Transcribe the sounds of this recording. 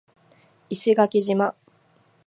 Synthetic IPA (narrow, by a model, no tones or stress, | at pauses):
iɕiɡakʲiʑima